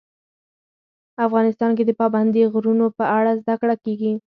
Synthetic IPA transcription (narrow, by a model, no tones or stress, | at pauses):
afɣɑnɪst̪ɑnk̬ed̪əpɑband̪iɣɾunopəaɽazd̪akɽakeɡi